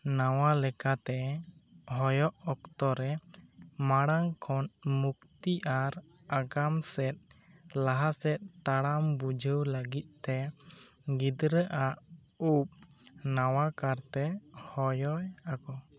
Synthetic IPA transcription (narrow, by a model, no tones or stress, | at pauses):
nawalɛkat̪ɛ | ɦɔjɔʔɔk̚t̪ɔɾɛ | maɽaŋkʰɔnmuk̚t̪iʔaɾaɡamsɛt̪̚ˀlaɦasɛt̪̚t̪aɽambud͡ʒʱəwləɡit̪̚ˀt̪ɛ | ɡid̪ɾəʔaʔup̚nawakaɾt̪ɛhɔjɔjakɔ